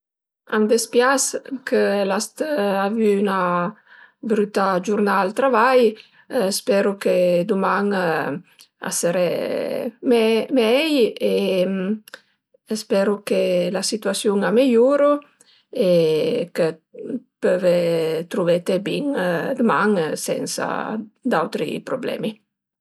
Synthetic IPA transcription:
a̰nd̪espjaskʰəlast̪avyːna | bɾyt̪ad͡ʒuɾnalt̪ɾavaj | spɛɾuked̪umaŋ | a̰səɾɛ̰ | mɛmɛje | spɛɾukelasit̪yasjuŋamijuɾu | ekepøvet̪ɾuvet̪ebiŋd̪umaŋsɛ̰nsa̰d̪awt̪ɾḭpɾoblɛ̰mi

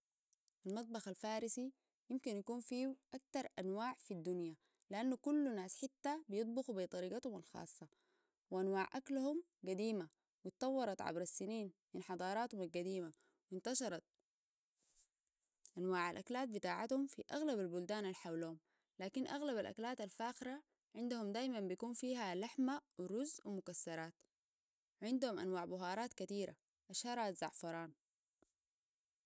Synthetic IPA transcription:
ʔalmɑt̪̚ˤbɑxalfaːɾisi | jɪmkinjakuːnfiːʔak̚t̪ɑɾˤʔanwaːʕfid̪ːunja | liʔanːukulːnaːsħɪt̪ːabijɨt̪̚ˤbɑxubit̪ˤɑɾiːɡat̪humalxɑ̰ːsˤːɑ | wiʔanwaːʕʔaklhum | ɡad̪iːma | wit̪t̪ˤɑwːɑɾˤɑt̪ʕa̰bɾasːiniːnminħɑd̪ˤɑːɾˤɑːt̪humalɡad̪iːma | wint̪ɑʃɑɾˤɑt̪̚ | ʔanwaːʕalʔaklaːt̪̚bit̪aːʕat̪humfiʔaɣlabalbuld̪aːnalħawluːum | laːkinʔaɣlaβalʔa̰klaːt̪alfaːxɾa | ʕɪnd̪ahumd̪aːjmambikuːnfiːɦalaħmawiɾʊzwimʊkasːɑɾˤɑːt̪ | ʕɪnd̪humʔa̰nwaːʕbʊɦɑːɾˤɑːt̪kat̪iːɾa̰ | ʔaʃhɑɾˤat̪zɑʕfɑɾˤɑːn

